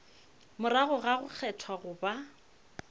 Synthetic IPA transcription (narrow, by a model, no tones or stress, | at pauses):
mʊɾaɣʊɣaɣʊk͡xʰɛtʰwaɣʊːba